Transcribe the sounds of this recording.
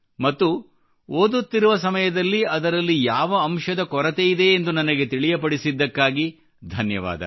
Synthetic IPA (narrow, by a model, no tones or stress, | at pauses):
mɐt̪ːu | oːd̪ut̪ːiɾuʋɐsɐmɐjɐd̪ɐlːiɐd̪ɐɾɐlːijaːʋɐːmʃɐd̪ɐkɔɾɐt̪ejid̪e̞ːnd̪unɐnɐɡe̞t̪iɭijɐpɐɽisid̪ːɐkːaːɡi | d̪ʱɐnjɐʋa̰ːd̪ɐ̰